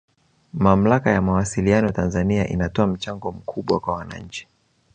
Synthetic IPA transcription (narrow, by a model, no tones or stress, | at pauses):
mam̩lakajamawasilianɔjatanzaniaʔḭnatɔam̩t͡ʃaŋɡɔm̩kʰuɓwakwawana̰ɲ̩t͡ʃi̥